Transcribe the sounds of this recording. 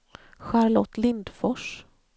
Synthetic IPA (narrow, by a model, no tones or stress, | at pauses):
ɧæɾlɔt̪ːlɪnd̪fɔʂ